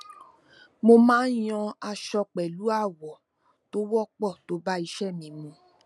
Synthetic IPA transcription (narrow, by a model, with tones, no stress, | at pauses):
mo˧mãː˦j̃ɔ̃˧a˧ʃɔ˧k͡pɛ˨lu˨˦a˦˨wɔ˨ | to˦wɔ˦k͡pɔ˦˨to˨˦ba˦i˧˦ʃɛ˦˨mĩ˨˦mũ˧